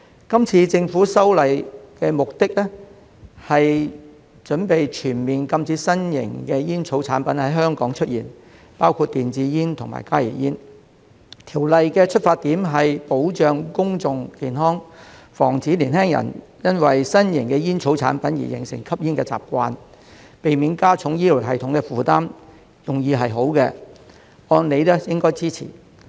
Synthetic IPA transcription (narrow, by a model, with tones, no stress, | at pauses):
kɐ˥mt͡sʰiː˧t͡sɪ˧ŋfuː˨˥sɐ˥wlɐ˨jkɛ˧mʊ˨k̚t̪ɪ˥k̚lɛ˥ | hɐ˨j | t͡ʃɵ˨˥npe˨jt͡ʃʰyː˨˩nmiː˨nkɐ˧mt͡siː˨˥sɐ˥njɪ̰˨˩ŋkɛː˧jiː˥nt͡sʰo˨˥wt͡sʰaː˨˥npɐ˨˦˥nhɐ˨˥jɦœː˥ŋkɔː˨˥ŋt͡ʃʰɵ˥t̚jḭː˨˩n | paː˥wkʰu˧t̚t̪iː˨nt͡siː˨˥jiː˥nt̪ʰʊ˨˩ŋma̰ː˨˩jkaː˥jḭ˨˩jiː˥n | t̪ʰiː˨˩wlɐ˨jkɛ˧t͡ʃʰɵ˥t̚faː˧t̪iː˨˥mɦɐ˨jpo˨˥wt͡ʃœː˨ŋkʊ˥ŋt͡sʊ˨ŋkiː˨nɦɔː˥ŋfɔː˨˩ŋt͡siː˨˥liː˨˩nhɛː˥ŋjɐ̰˨˩n | jɐ˥nwɐ˨jsɐ˥njɪ˨˩ŋkɛː˧jiː˥nt͡sʰo˨˥wt͡sʰaː˨˥npɐ˨˥njḭ˨˩jɪ̰˨˩ŋsɪ̰˨˩ŋkʰɐ˥p̚jiː˥nkɛː˧t͡sa̰ː˨p̚kʷaː˧n | pe˨jmiː˨˧˥nkaː˥t͡sʰʊ˨˥ŋjiː˥lu˨˩ɦɐ˨jt̪ʰʊ˨˥ŋkɛː˧fuː˨t̪aː˥m | jʊ˨˩ŋjiː˧ɦɐ˨jɦo˨˥wkɛ˧ | ɔː˧nle˨˧jlɛ˥jɪ˥ŋkɔː˥jt͡siː˥t͡sʰḭː˨˩